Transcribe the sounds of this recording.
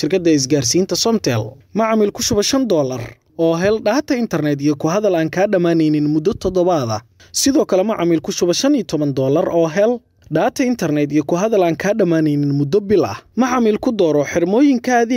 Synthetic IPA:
ʃɪrkʰɐd̪ɐɪs̬ɡaːrsiːnt̪ʰɐsɔmt̪ʰɛ̰lmɐʕɑmiːlkʰʊʃʊβɐʃɐnd̪ɔːlɐ̰r | ɔːɦɛlɖaːt̪ʰɐɪnt̪ʰɐrnɛːd̪ijɔkʰʊɦɐðɐlaːŋkʰaːɖɐmaːnɛjnɪnmʊd̪ːɔt̪ʰɔd̪ɔβɐðɐ̰ | sɪðɔːkʰɐlɛmɐʕɑmiːlkʰʊʃʊβɐʃɐnijt̪ʰɔβɐnd̪ɔːlɐrɔːɦɛl | ɖaːt̪ʰɐɪnt̪ʰɐrnɛd̪ijɞkʰʊɦɐðɐlaːŋkʰaːɖɐmaːnɛjnɪnmʊd̪ɔbɪlʔɐ̰hmɐʕɑmiːlkʰʊd̪ɔːɾɔħɪrmɔːjɪŋkʰaːði

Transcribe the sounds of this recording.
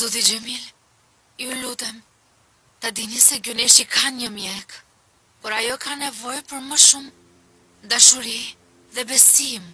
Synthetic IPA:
d̪ud̪id͡ʒɛmil | iulut̪ɛm | t̪ad̪inisɛɡuniʃikanɲəmjɛk | pɔɾajɔkanɛvɔjpəɾməʃum | d̪aʃuɾi | ðɛbɛsim

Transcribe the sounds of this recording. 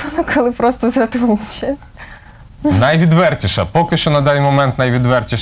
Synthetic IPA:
ɔnɐkʰɔlˠɪpɾɔst̪ɔzɾɐt̪ɔmt͡ʃɛ | nɐjʋʲid̪ʋɛrtʲiʃɐpɔkɪʃt͡ʃɔnɐd̪ɑnʲjmɔmɛnt̪nɐjʋʲid̪ʋɛrtʲiʃ

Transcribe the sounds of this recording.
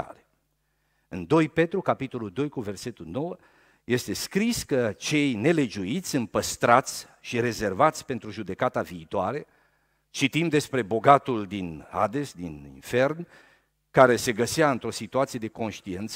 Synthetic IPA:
a̰ɾe | ɨnd̪o̞jpe̞t̪ɾukapit̪o̞luld̪o̞jkuve̞rse̞t̪ulno̞wə | je̞st̪e̞skɾiskət͡ʃe̞jne̞le̞d͡ʒuit̪sʲɨmpəst̪ɾat̪sʲ | ʃiɾe̞ze̞rvat̪sʲpe̞nt̪ɾuʒud̪ekat̪aviːt̪oaɾe̞ | t͡ʃit̪imd̪e̞spɾe̞bo̞ɡat̪uld̪ina̰d̪e̞sd̪inḭnfe̞rn | kaɾe̞se̞ɡəseaɨnt̪ɾo̞sit̪uat̪sije̞d̪eko̞nʃt̪ient̪s

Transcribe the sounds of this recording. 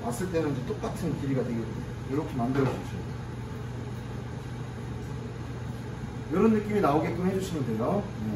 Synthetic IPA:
mas͈ɯɭt͈e̞nɯd͡ʑet͈ok͈atʰɯnkiɾiɡateɡi | joɾʌkʰe̞mandɯɾʌsuɕ͈ʰuet͈a | jʌɾʌnːɯk͈iminaoɡet͈ohe̞d͡ʑuɕʰimɯnde̞jo

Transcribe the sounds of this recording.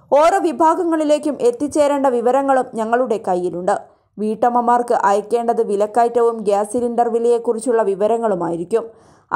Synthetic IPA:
o̞ːɾoʋibʱaːɡɐŋːɐɭile̞ːkʲːumʔe̞t̪ːit͡ɕːe̞ːɾeːɳɖɐʋiʋɐɾɐŋːɐɭumɲɐŋːɐɭuɽe̞kɐjːiluɳɖɨ | ʋiːʈːɐmɐmaːrkɨʔɐjɐkːe̞ːɳɖɐðɨʋilɐkːaːjtːɐʋumɡaːsilinɖɐrʋilijekːurit͡ɕːuɭːɐʋiʋɐɾɐŋːɐɭuma̰ːjiɾikʲːum

